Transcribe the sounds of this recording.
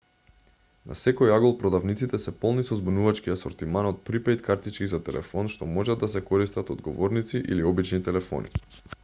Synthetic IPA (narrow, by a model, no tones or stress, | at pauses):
nʔa̰sɛkojaɡolˠpɾɔd̪avnit̪sit̪ɛsɛpɔlˠnisɔzbunuvat͡ʃkiasɔɾt̪imanɔt̪̚pɾipɛjt̪kaɾt̪it͡ʃkizat̪ɛlʔɛ̰fɔnʃt̪ɔmɔʒad̪ːasɛkɔɾist̪at̪ɔd̪ɡɔvɔɾnit̪siʔḭliɔbit͡ʃnit̪ɛlɛfɔ̰nʔḭ